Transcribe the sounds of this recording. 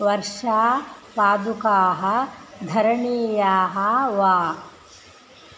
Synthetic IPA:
ʋɐɾʂaːpaːd̪ukaːɦɐd̪ʱɐɾɐɳiːjaːɦɐʋaː

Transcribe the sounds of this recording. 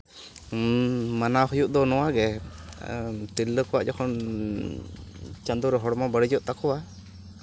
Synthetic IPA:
manaɦɔjuʔd̪ɔnɔwaɡɛ | t̪ilːəkɔwaʔd͡ʒɔkʰɔn | t͡ʃand̪uɾɛɦɔɽmabəɽid͡ʒɔʔt̪akɔwa

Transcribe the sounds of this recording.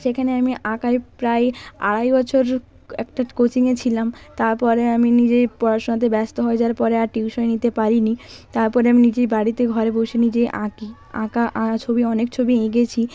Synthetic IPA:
ʃekʰaneamiʔãkaepɾaea̰ɽajbɔt͡ɕʰoɾ | ɛ̰kʈakot͡ɕiŋet͡ɕʰilamt̪aɾpɔɾeaminid͡ʑepɔɾaʃonat̪̬ebɛst̪oɦɔed͡ʑaɾpɔɾeaʈiwʃɔenit̪epaɾinit̪aɾpɔɾeaminid͡ʑeɾbaɽit̪eɡʱɔɾebowʃenid͡ʑeʔã̰ki | ã̰kaʔãt͡ɕʰobiɔnekt͡ɕʰobieɡet͡ɕʰi

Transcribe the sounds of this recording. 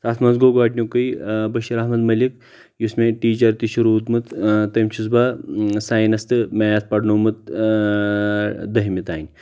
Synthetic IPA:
t̪aːt̪ʰmɐnzɡoɡaːʈnʲokɨjbɐʃiɾɐɦmɐd̪mɐlʲik | jusmẽʈiːt͡ʃɐɾt̪iʃuɾuːt̪mɨt̪t̪ɐmʲt͡ʃʰuzbasaːjnɐst̪ɨmejat̪̚ʰpɐɽnomɨt̪̚ | d̪ɐɦmʲit̪aːnʲ

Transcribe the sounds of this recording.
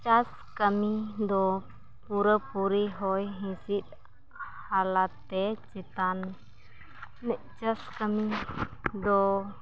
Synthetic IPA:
t͡ʃas | kəmid̪ɔ | puɾəpuɾiɦɔjɦĩsit̪̚ | halat̪ːɛt͡ʃɛt̪an | nɛʔt͡ʃaskəmi | d̪ɔ

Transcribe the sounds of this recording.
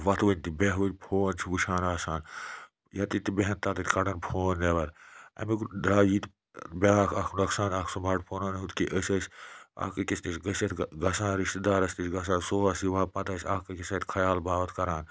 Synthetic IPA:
ʋɐt̪ʰʋɐnʲt̪ibeɦʋɨnʲpʰoːnt͡ʃʰiʋuʃʰaːnaːsaːn | jɐt̪it̪ibeɦɐnt̪aːt̪ɐt̪ʲkɐɽɐnpʰoːndeʋɐɾɐ̰mikd̪ɾaːiːt̪ | beaːkʰɐkʰnɐksaːnaːkʰsumaːʈpʰoːnɐːnɦut̪kiʔəsʲɐsʲa̰ːkɨkist̪isɡɐsɐt̪ʰɡɐsãːnɾiʃt̪id̪aːɾɐst̪isʲɡɐs̬ãːnsoːɐsiʋaːpɐt̪ɐːsʲaːkɐkisɐːt̪ʲkʰɐjaːlbaːʋɐt̪kɐɾaːn

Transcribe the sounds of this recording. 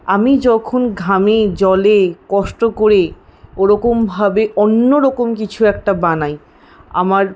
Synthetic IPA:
amid͡ʑɔkʰonɡʱamed͡ʑɔlekɔʃʈokoɾe | oɾɔkombʱabeʔonːoɾɔkomk̬it͡ɕʰuɛk̚ʈabanaj | a̰maɾ

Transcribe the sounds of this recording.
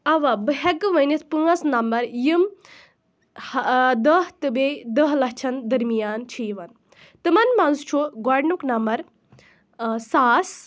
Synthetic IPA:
ɐʋabɨɦɛɡɨʋɐnisʰpɨɐsnɐmbɐɾjim | hd̪ɐɦt̪ɨbed̪əɦlɐɦt͡ʃʰɐnd̪ɐɾmijaːnt͡ʃʰijʋɐn | t̪ɨmɐnmɐnst͡ʃʰuɡɔɖnuknɐmbɐɾ | saːs

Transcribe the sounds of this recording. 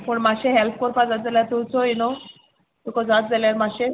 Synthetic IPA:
pəɳmaɕeɦɛlpkɔɾpad͡zat̪̚d͡zaljaɾt̪ut͡sɔino | t̪ukɔd͡zat̪̚d͡zaljaɾmaɕe

